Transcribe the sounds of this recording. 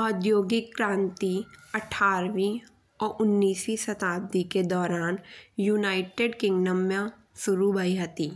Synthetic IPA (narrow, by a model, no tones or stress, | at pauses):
ɔːd̪joːɡɪkːɾãːnt̪iɐʈʰːaːɾʋi | ɔːɾʊnːiːsisɐt̪aːb̚d̪ʱiked̪ɔːɾaːnjuːnaːɪʈeɖkɪ̃ŋɡnəmjã | sʊɾubʱaiɦɐt̪iː